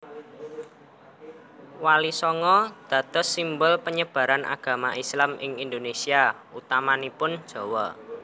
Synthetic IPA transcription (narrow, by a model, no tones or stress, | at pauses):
walisɔŋɔd̪̥ä̤t̪ʊsimbʊlpəɲəb̥ä̤ɾanʔa̰ɡ̥a̤maʔislamɪŋind̪onesia | ut̪amanipʊn̥ʒ̥ɔ̤wɔ